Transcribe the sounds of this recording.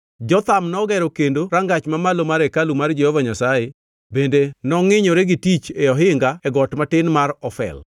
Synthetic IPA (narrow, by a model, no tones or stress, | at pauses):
d͡ʒɔt̪amnɔɡɛɾɔkendoɾaŋɡat͡ʃmamalomaɾɛkalumard͡ʒɛhɔvaɲasaje | bendenɔŋɪɲɔɾeɡɪtit͡ʃeɔɦɪŋɡaɛɡɔtmatɪnmaɾɔfɛ̰l